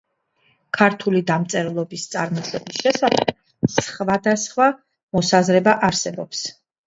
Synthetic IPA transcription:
kʰaɾt̪ʰulid̪amt̪sʼɛɾɛlˠɔbist̪sʼaɾmɔʃɛbisʃɛsaχɛ | sχvad̪asχwa | mɔsazɾɛbaʔaɾsɛbɔps

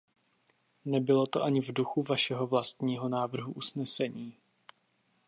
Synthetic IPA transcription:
nɛbɪlo̞t̪o̞ʔaɲɪvduxuvaʃɛɦo̞vlast̪ɲiːɦo̞naːvr̩ɦuʔusnɛsɛɲiː

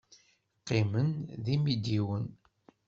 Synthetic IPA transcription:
qːimənðimid̪iwən

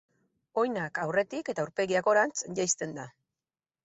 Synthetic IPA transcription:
o̞jnakawre̞t̪ike̞t̪auɾpe̞ɣiako̞ɾant͡sʝajst̪e̞nd̪a

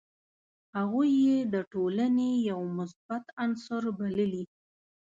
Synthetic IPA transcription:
haɣujːed̪əʈolanejawmʊsbat̪ansʊɾbaləli

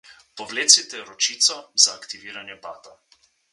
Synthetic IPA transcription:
pɔʋleːt̪sit̪ɛɾɔt͡ʃiːt̪sɔzaːkt̪iʋiːɾanjɛpaːt̪a

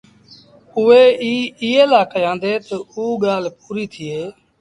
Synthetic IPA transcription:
ʊeːiːɪːeːlaːkəjãːnd̪eːt̪əuːɠaːlpuːɾiːt̪ʰɪeː

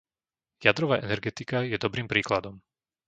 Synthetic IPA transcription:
jad̪ɾɔʋaːʔɛnɛɾɡɛt̪ikajɛd̪ɔbɾiːmpɾiːklad̪ɔm

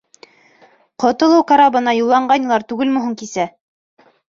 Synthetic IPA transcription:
qŏt̪ɤ̆lˠɤwkaɾabɤ̆nɑjolˠːɑɴɢɑnʲɤ̆lˠɑɾt̪ʉɡɘlmɵ̆ɦɤŋkisæ

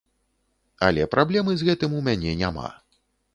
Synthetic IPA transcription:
ɐlʲɛpɾʔablʲɛmɨzɣɛt̪ɨmumʲanʲɛnʲama̰

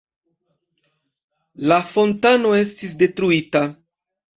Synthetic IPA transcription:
lafo̞ntanoe̞stis̬de̞tɾuita

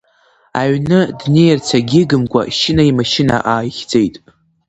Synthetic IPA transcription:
aɥnɨdne̞jrt͡sʰaɡʲɪɡɨmkʷʼa̰ʃɪnaimaʃɪna̰ʔaːjχʲd͡zʼejtʼ

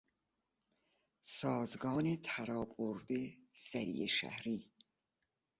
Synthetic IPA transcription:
sɒːzɡɒːnet̪ʰæɾɒːboɾd̪esæɾḭjeʃæ̰hɾiː

